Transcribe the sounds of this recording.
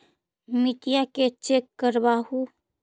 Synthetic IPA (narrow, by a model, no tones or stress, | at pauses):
mɪʈijaket͡ʃeːkːəɾbaːhu